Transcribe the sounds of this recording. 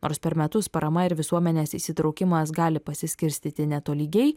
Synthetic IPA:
no̰ːɾspʲɛɾmʲɛt̪ʊspɐɾʔɐmɐɪɾʋʲɪsuɔmʲɛnʲeːsisʲɪt̪ɾɒʊkʲɪmɐs̬ɡɑːlʲɪpɐsʲɪsʲkʲɪɾʲsʲt̪ʲiːt̪ʲɪnʲɛt̪oːlʲiːɡʲɛɪ

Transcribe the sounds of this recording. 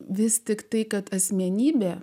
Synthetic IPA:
ʋʲɪst̪ʲɪkt̪ɐɪkɐt̪ɐsʲmʲɛnʲiːbʲɛː

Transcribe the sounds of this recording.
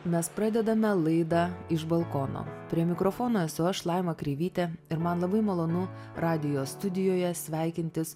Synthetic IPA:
mʲɛspɾɑːd̪ʲɛd̪ɐmʲɛlˠɐɪd̪ɑːɪʃbɐlˠkoːno̰ːpʲɾʲiɛmʲɪkɾofoːnoɛsʲʊɐʃlˠɑɪmɐkɾʲɛɪʋʲiːt̪ʲɛɪɾmɐnlˠɐbɐɪmɐlˠoːnʊ | ɾɑːd̪ʲɪjoːst̪ʊd̪ʲɪjoːjɛsʲʋʲæˑɪkʲɪnʲt̪ʲɪs

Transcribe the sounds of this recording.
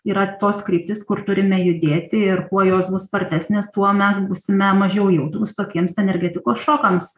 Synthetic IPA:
iːɾɐt̪oːskɾʲiːp̚ʲt̪ʲɪskʊrt̪ʊɾʲɪmʲɛjʊd̪ʲeːt̪ʲɪɪrkuɔjoːsbʊsspɐrʲt̪ʲæːsʲnʲeːst̪uɔmʲɛsbuːsʲɪmʲɛmɐʒʲɛʊjuːt̪ɾuːst̪oːkʲiɛmsɛnʲɛrʲɡʲæːt̪ʲɪkoːsʃoːkɐms

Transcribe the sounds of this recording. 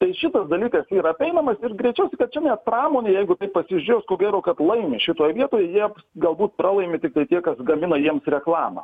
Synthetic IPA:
t̪ɐɪʃʲɪt̪ɐsd̪ɐlʲiːkɐsiːɾɐɐpʲɛɪnɐmɐsɪrɡɾʲɛɪt͡ʃʲɛʊsʲɛɪkɐt̪̚t͡ʃʲɛnʲɛt̪̚prɑːmoːnʲejɛɪɡʊt̪ɐɪppɐsʲɪʒʲʊɾʲoːskoːɡʲæːɾoːkɐt̪lˠɐɪmʲɪʃʲɪt̪oːjɛʋʲiɛt̪oːjɛjiɛɡɐlˠbuːt̪̚pɾɑːlˠɐɪmʲɪt̪ʲɪkt̪ɐɪt̪ʲiɛkɐsɡɐmʲɪnɐjiɛmsrʲɛklˠɑːmɐ̰

